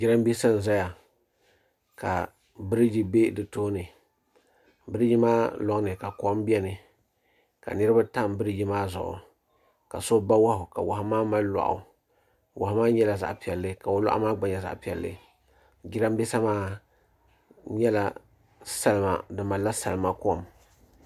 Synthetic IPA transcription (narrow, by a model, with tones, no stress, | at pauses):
d͡ʒi˦ɾa˦m˦bi˦sa˦n̩˨za˦ja˨ | ka̰˨ | bɨ˦ɾɨ˦d͡ʒi˦be˦dɨ˨toː˦nɨ˨ | bɨ˦ɾɨ˦ji˦maː˦lɔ˨ŋ˦nɨ˨ka˨kɔ˨˦m˦bi˦ɛ˦nɨ˨ | ka̰˨nɨ˦ɾɨ˦ba˦ta˦˨m˨bɨ˦ɾɨ˦d͡ʒi˦maː˦zʊ̰˨ʔʊ̰˨ | ka̰˨so˦ba˦wa˦hʊ˨ka̰˨wa˨hʊ˦maː˦ma˦la̰˨ʔʊ̰˨ | wʔa˨hmaː˦ɲɛ˦la˨za̰˨ʔpi˨ɛ˨lːɨ˦ka˨o˨la̰˦ʔa̰˦maː˦ɡ͡ba˨ɲa˨za̰˨ʔpi˨ɛ˨lːɨ̰˦ | d͡ʒi˦ɾa˦m˦bɛ˦sa˦maː˦ | ɲɛ˦la˨ | sa˦lma̰˨dɨ˨ma˨la˦sa˨lɨ˨ma˦kɔ˦m